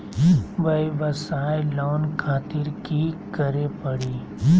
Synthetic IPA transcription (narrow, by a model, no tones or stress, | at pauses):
bɐjʋɐsaːjloːnkʰaːt̪ɪɾkikɐɾepɐɽiː